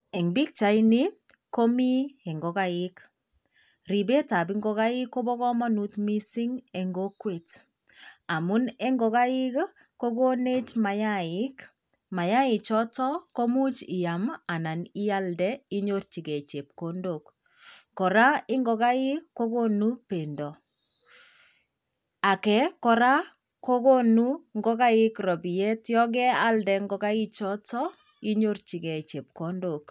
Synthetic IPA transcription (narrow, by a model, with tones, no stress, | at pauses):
ɛ˨ŋbi˦k̚t͡ʃa˨ini˦ko˦mi˦ɛ˨ŋɡɔ˨kaɪk | ri˨be˦ta˨bi˦ŋɡɔ˦ka˦i˦kːo˦bɔ˦kɔ˦ma˦nu˦tmi˦si˦ŋɛ˨ŋɡo˦kwe˨t | a˨mu˦nɛ˦ŋɡɔ˨ka˦i˦k | ko˦ko˦ne˦t͡ʃma˨jaɪk | ma˨ja˦ɪ˨t͡ʃɔ˦tɔ˦ko˦mu˦t͡ʃi˨ja˨ma˨na˨ni˦a˦ldɛ˦i˦ɲo˦ɾt͡ʃi˨ɡɛ˨t͡ʃe˨p̚ko˨ndokː | ɔ˨ɾa˦ɪ˦ŋɡɔ˨ka˦i˦kːo˦ko˦nu˦pe˨ndɔ˨ | a˨kɛ˨kɔ˨ɾa˦ | ko˦ko˦nu˦ŋɡɔ˦ka˦ɪ˦krɔ˨bi˨jɛ˦tjɔ˦ɡɛ˦a˦ldɛ˨ŋɡɔ˦ka˦i˦t͡ʃɔ˦tɔ˦ | i˦ɲo˦ɾt͡ʃi˨ɡɛ˨t͡ʃe˨p̚ko˦ndo˨k